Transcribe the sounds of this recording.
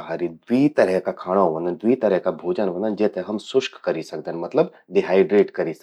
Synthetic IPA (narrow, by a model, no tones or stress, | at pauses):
ɦaɾid̪wiːt̪ɐɾɛɦkakʰaːɽ̃ãʋɐ̃nd̪ənd̪ʋiːt̪ɐɾɛɦkabʱuːd͡ʒənʋɐ̃nd̪ənd͡ʒɛːt̪eɦɐmsʊʃkkɐɾisɐk̚d̪ənmɐt̪ləb | d̪iɦaːiɖɾeːʈkɐɾis